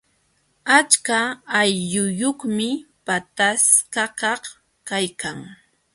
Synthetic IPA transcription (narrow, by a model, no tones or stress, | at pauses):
at͡ʃkaːjʎʊjoχmɪ | pat̪askakɑχ | kajkaŋ